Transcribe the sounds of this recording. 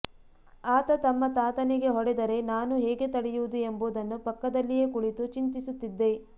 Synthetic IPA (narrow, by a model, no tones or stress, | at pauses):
aːt̪ɐt̪ɐmːɐt̪aːt̪ɐniɡe̞ɦɔɽɛd̪ɐɾe̞naːnuɦɛːɡe̞t̪ɐɽɛjuʋud̪ue̞mbuːd̪ɐnːupɐkːɐd̪ɐlːije̞kuɽit̪ut͡ʃint̪isut̪ːid̪ːe̞